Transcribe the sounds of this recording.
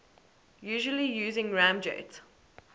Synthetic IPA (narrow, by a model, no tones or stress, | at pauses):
jʉːʒəlijuːzɪ̃ŋɹãmd͡ʒḛt